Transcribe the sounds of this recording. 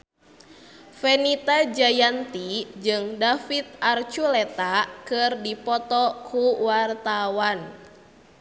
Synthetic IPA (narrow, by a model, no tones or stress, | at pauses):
fɛnit̪ad͡ʒajant̪id͡ʒɨŋdafit̪̚ʔart͡ʃulɛt̪akɨrdipɔt̪ɔkʰuwart̪awan